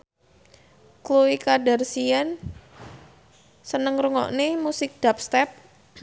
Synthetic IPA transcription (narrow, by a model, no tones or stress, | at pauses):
kluwikadarsian | sənəŋɾuŋɔ̰ʔnemusɪk̚d̥ap̚st̪ɛp̚